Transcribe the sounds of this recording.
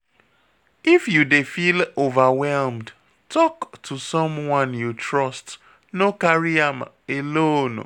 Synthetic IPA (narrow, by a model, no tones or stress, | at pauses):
ifjudefilovawɛlmd | tʰɔktʰusɔ̃mwɔ̃njutɹɔst | nokaɹiam | elon